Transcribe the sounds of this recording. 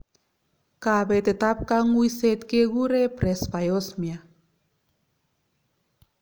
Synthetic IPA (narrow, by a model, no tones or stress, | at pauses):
kaβet̪et̪ap̚kaŋuiset̪̚keɣuɾepɾespajosmia